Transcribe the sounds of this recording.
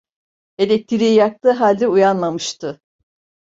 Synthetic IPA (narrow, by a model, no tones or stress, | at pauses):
e̞lʲɛc̚t̪ʰiɾʲijak̚t̪ˠɯːɦalʲd̪ʲɛujanlamɯʃt̪ʰɯ